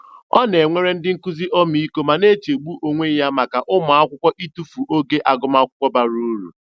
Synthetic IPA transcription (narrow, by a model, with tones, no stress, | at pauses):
ɔ˦n˨e˨ŋʷe˦ɾe˦n̩˦dɪ˦ŋ̩˦ku˦zi˦ʔɔ˦mi˨i˦ko˦ma˨ne˦t͡ʃe˨ɡ͡bu˦ʔo˨ŋʷe˦ja˦ma˨ka˨ʔʊ˦mʊ˨a˦kʷʊ˦kʷɔ˦ʔi˦tu˦fu˨ʔo˦ɡe˦ʔa˨ɡʊ˦ma˦kʷʊ˦kʷɔ˦ba˨ɾu˦ɾṵ˨